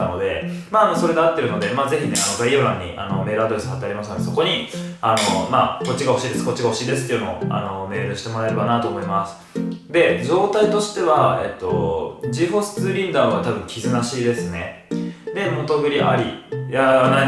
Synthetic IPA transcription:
ano̞d̪e̞maːno̞so̞ɾe̞d̪eat̪ːe̞ɾɯ̟no̞d̪e̞maːze̞çʲine̞anoɡaijoɾãɲ̟ːḭʔa̰no̞me̞ːɾɯ̟ad̪o̞ɾe̞sɨ̥hat̪ːeaɾʲimas̬ɨnd̪soko̞ɲ̟i | ano̞maːko̞t͡ɕːiɡahoɕiːd̪e̞sɨ̥ko̞t͡ɕːiɡaho̞ɕiːd̪esɨ̥t̪ːejɯnooa̰no̞me̞ːɾɯ̟ɕi̥t̪e̞mo̞ɾae̞ɾe̞banat̪o̞ːmo̞imasɨ̥d̪e̞d͡ʑo̞ːt̪ait̪o̞ɕi̥t̪e̞βae̞̰t̪ːo̞d͡ʑiɦo̞sɨ̥t͡sɨɾʲĩnd̪aβat̪abɯ̟̃ŋkʲizɨnaɕiːd̪e̞sɨne̞̰d̪e̞mo̞t̪o̞ɡɯ̟ɾʲiʔa̰ɾʲijanai

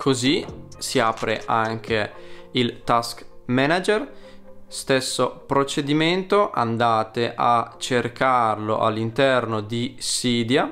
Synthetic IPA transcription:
kʰozisiaːpɾeʔaŋk̟ʰeilt̪askmɛnad͡ʒer | st̪esːopɾot͡ʃed̪iment̪oʔa̰nd̪aːt̪eʔat͡ʃːerkʰarlo̰ʔalːint̪ɛrnod̪isiːd̪ja

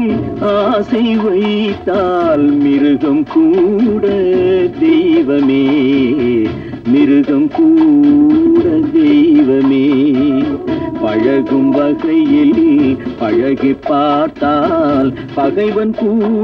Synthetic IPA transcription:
asɐɪʋɐɪɪt̪ːaːlmɪɾɯɣɐmkuːɽɐd̪ɛjʋɐmeː | mɪɾɯɣɐmkuː | ɽɐd̪ɛjʋɐmeː | pɐɻɐɣɯmʋɐɣɐɪɛlːpɐɻɐɣɪpːaːɾt̪ːaːl | pɐɣɐɪʋɐnkuː

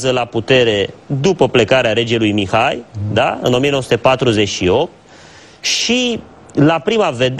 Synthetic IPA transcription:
zəlaput̪e̞ɾe̞d̪upəple̞kaɾeaɾe̞d͡ʒelujmixajd̪aɨ̰no̞mienosu̥t̪epat̪ɾuze̞t͡ʃʃio̞p̚t̪̚ | ʃi | lapɾimave̞d̪

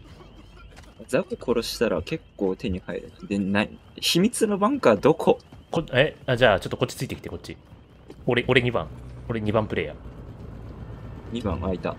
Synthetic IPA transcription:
ad͡zakokʰo̞ɾo̞ɕi̥t̪aɾa̰ke̞kːo̞ːt̪e̞ɲ̟ihaḛɾɯ̟nd̪e̞na | ɕimʲit͡sɨno̞bãŋkaad̪o̞kʰo̞koead͡ʑaːt͡ɕo̞t̪ːoko̞t͡ɕːi̥t͡sɨit̪ekʲit̪eko̞t͡ɕ͈ːi | oɾeʔoɾe̞ɲ̟ibã̰ŋo̞ɾe̞ɲ̟ibãmpɯ̟ɾe̞̰ːja̰ | ɲ̟ibã̰ŋ̃a̰it̪a̰

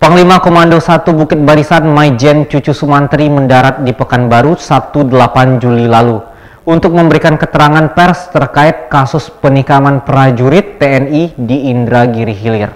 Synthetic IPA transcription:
pəŋlimakomandosat̪ubukɪt̪̚baɾisanmajd͡ʒɛnt͡ʃut͡ʃusumant̪ɾiməndaɾat̪̚dipəkanbaɾusat̪udəlapand͡ʒulilalu | unt̪ʊk̚məmbəɾikankət̪əɾaŋanpɛrst̪ərkaɪt̪̚kasʊspənikamanpəɾad͡ʒuɾɪt̪ːeɛnidiːndɾaɡiɾiɦilɪr

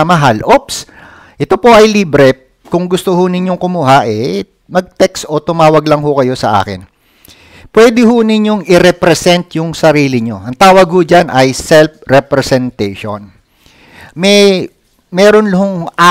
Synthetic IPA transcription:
mɐɦalʔops | ʔɛt̪o̞po̞ʔɐjliːbɾɛ | kʊŋɡʊst̪ohʊnɪɲjo̞ŋkʊmuːɦaʔɛ | mɐɡ̚t̪ɛkso̞t̪ʊmaːwɐɡlɐŋɦʊkɐjo̞sɐʔa̰ːkɪ̰n | pwɛːd̪ɪɦʊnɪɲjo̞ŋɪɾɛpɾɛsɛnt̪jʊŋsɐɾiːlɪɲo̞̰ʔɐŋt̪aːwɐɡ̚hʊd͡ʒanʔɐjsɛlfɾɛpɾɛsɛnt̪ɛjʃo̰n | mɛj | mɛːɾonlʊɦoŋʔa

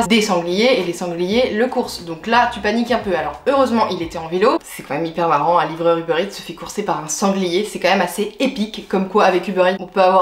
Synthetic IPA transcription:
d̪esɑ̃ɡlijeːlesɑ̃ɡlijeləkuʁsd̪ɔ̃klat̪ypanikɛ̃pøalɔʁøʁøzmɑ̃ʔilet̪ɛɑ̃velosɛkɑ̃mɛmipɛʁmaʁɑ̃ɛ̃livʁœʁybøʁit̪sə̥fɛkuʁsepaʁɛ̃sɑ̃ɡlijesɛkɑ̃mɛmaseepikːɔmkwaːvɛkybøʁit̪ɔ̃pøavwaʁ

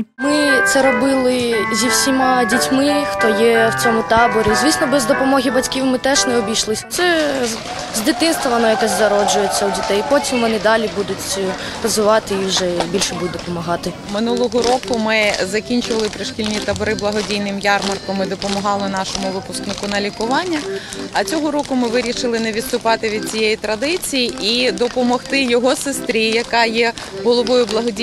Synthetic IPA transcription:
mɪt̪sɛɾɔbɪlˠɪzʲiwsʲimɑdʲitʲmɪxt̪ɔjɛwt͡sʲɔmʊt̪ɑbɔɾʲizʲʋʲisnɔbɛzd̪ɔpɔmɔɦʲibɐtʲkʲiwmɪt̪ɛʒnɛɔbʲijʃlˠɪsʲɐt̪sɛ | zʲd̪ʲɪt̪ɪnst̪ʋɐʋɔnɔjɐkɔsʲzɐɾɔd͡ʒʊjet͡sʲːɐwdʲit̪ɛjpɔtʲimʋɔnɪd̪ɑlʲibud̪ʊtʲ | pɾɐzɪʋɑt̪ɪiʒɛbʲilʲʃɛbud̚ʲd̪ɔpɔmɐɦɑt̪ɪ | mɪnulˠɔɦɔɾɔkʊmɪzɐkʲinʲt͡ʃʊʋɐlˠɪpɾɪʃkʲilʲnʲit̪ɐbɔɾɪblˠɐɦɔdʲijnɪmjɑrmɐrkɔmɪd̪ɔpɔmɐɦɑlˠɪnɑʃɔmʊʋɪpʊsknɪkʊnɐlʲikʊʋɑnʲːɐ | ɐt͡sʲɔɦɔɾɔkʊmɪʋɪɾʲiʃɪlˠɪnɛʋʲid̪st̪ʊpɑt̪ɪʋʲid̪̚t͡sʲijɛjit̪ɾɐd̪ɪt͡sʲijiid̪ɔpɔmɔxt̪ɪjɔɦɔsest̪ɾʲijɐkɑjɛɦɔlˠɔʋɔjʊblˠɐɦɔdʲi

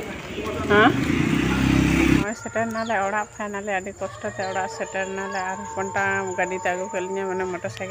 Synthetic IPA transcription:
ɦã | mɔsɛʈɛɾnalɛɔɽaʔpʰanalɛaɖikɔsʈɔt̪ɛɔɽaʔsɛʈɛɾnalɛaɾupɔɳʈaɡaɖit̪ɛaɡukɛliɲamanɛmɔʈɔsak

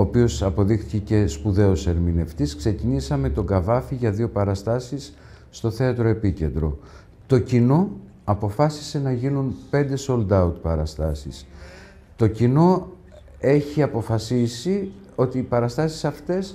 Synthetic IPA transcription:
oːpio̞sɐpo̞ðixθi̥cece̞spuðe̞o̞se̞ɾmine̞ft̪iskse̞cinisɐme̞t̪o̞ɡɐvɐfiʝɐðio̞pɐɾɐst̪ɐsisː | t̪o̞θe̞ɐt̪ɾo̞e̞pice̞̰nd̪ɾo̞̰ | t̪o̞cino̞ | ɐpo̞fɐsi̥se̞nɐʝinunpe̞nd̪e̞sold̪ɐut̪̚pɐɾɐst̪ɐsis | t̪o̞cino̞ | e̞çiɐpo̞fɐsisi | o̞t̪iːpɐɾɐst̪ɐsi̥sɐft̪e̞s

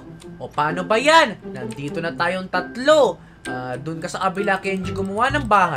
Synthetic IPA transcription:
ʔopaːnobɐjanːɐnd̪iːt̪o̞nɐt̪aːjoŋt̪ɐt̪lo̞ | ʔaːd̪ʊnkɐsɐʔɐbɪlakɛnd͡ʒɪɡʊmʊwanɐŋbaːɦaj

